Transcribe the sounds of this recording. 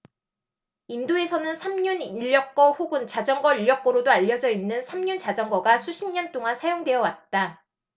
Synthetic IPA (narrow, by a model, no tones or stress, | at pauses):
indoe̞sʰʌnɯnsʰamɲuniʎːʌk͈ʌɸoɡɯnt͡ɕad͡ʑʌŋɡʌiʎːjʌk͈ʌɾodoaʎːʌd͡ʑʌinːɯnsʰamɲunt͡ɕad͡ʑʌŋɡʌɡasʰuɕʰimɲʌnt͈oŋansʰajoŋdwe̞jʌwat̚t͈a